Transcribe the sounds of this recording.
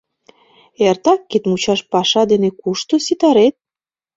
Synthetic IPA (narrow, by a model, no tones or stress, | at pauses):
ert̪ɑkːit̪mut͡ɕɑʃpɑʃɑd̪enekuʃt̪osit̪ɑɾet̪̚